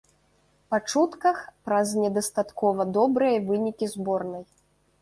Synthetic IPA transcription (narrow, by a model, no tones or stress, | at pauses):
pat͡ʂut̪kɐxpɾɐznʲɛd̪ɐst̪at̪kɔvɐd̪ɔbɾɨjɐvɨnʲikʲizbɔrnɐj